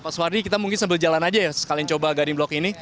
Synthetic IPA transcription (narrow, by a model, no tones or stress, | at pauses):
paswaɾikit̪amuŋkɪnsambɪld͡ʒalanad͡ʒajasə̥kaliaŋt͡ʃobaɡadɪŋblɔkini